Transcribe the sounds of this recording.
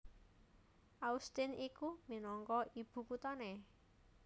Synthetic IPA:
ʔaust̪ɪnikuminɔŋkɔib̥ṳkut̪ɔne

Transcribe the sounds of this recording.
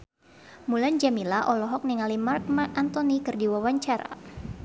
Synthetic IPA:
muland͡ʒamilaʔɔlɔɦɔk̚niŋalimark̚maant̪ɔnikɨrdiwawaɲt͡ʃaɾa̰

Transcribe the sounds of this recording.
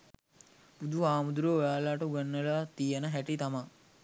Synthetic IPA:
b̥ud̪ʱuaːmud̪uɾoʋaːlaːʈuɡanːəlat̪ijənəɦæʈit̪ama

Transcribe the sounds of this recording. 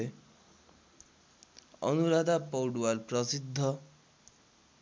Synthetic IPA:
e | ʌ̰nuɾad̪apʌwɽuwalprʌsid̪ʱːʌ

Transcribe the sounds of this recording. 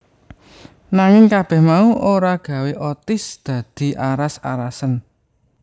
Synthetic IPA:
naŋɪŋkab̥ɛ̤hmauʔoɾaɡ̥ä̤weʔɔt̪ɪsd̪̥ä̤d̪̥i̤ʔaɾasa̰ɾasən

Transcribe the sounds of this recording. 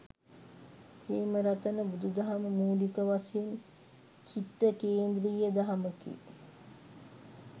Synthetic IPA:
heːməɾat̪ənəbud̪ud̪aɦaməmuːlikəʋasen | t͡ʃit̪ːəkeːnd̪ɾijəd̪aɦaməkḭ

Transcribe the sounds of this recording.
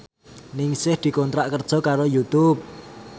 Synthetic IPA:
nɪŋsɪhd̪̥i̤kont̪ɾaʔkərd̥ʒ̥ɔ̤kaɾojut̪ʊp̚

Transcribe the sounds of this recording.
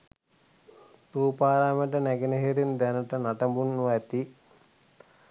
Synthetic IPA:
t̪uːpaːɾaːmeʈ̬ənæɡeneɦeɾind̪ænəʈənaʈɐmbunːʋaɛt̪i

